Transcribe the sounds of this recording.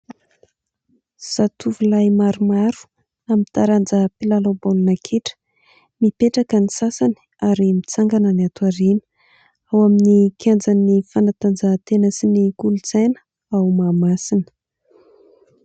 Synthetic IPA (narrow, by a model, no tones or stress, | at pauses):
z̥at̪uvulajmaɾumaɾu̥ | amint̪aɾand͡zəpilalobolunakʰeʈ͡ʂə̥ | mipeʈ͡ʂakənisasani̥ | aɾimit͡saŋɡanəniat̪uaɾinə̥ | awaminikʰjand͡zanifanat̪and͡zat̪enəsinikuluzajnə̥ | awmamasinə̥